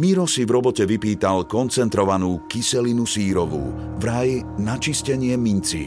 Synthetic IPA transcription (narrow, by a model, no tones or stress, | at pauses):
miɾɔsivɾɔbɔcɛʋipiːt̪alkɔnt͡sɛnt̪ɾɔʋanuːkisɛlinusiːɾɔʋṵː | ʋɾajnat͡ʃiscɛɲɪɛmint͡sḭ